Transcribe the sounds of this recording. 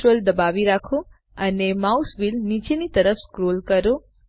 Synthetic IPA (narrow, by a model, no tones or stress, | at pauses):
ɾold̪əbaʋiɾakʰo | ənemausʋilnit͡ʃenit̪əɾəfskɾolkəɾo